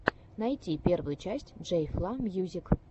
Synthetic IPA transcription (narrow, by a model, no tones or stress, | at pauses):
nɐjtʲipʲervʊjut͡ɕæsʲtʲʐejflˠɑmʲjuzʲik